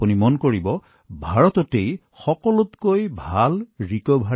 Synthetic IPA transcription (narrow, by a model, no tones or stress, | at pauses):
punimɔnkoɹibɔ | bʱaɹɔtɔtej | xɔkɔlʊtkojbʱalɹikɔbʱa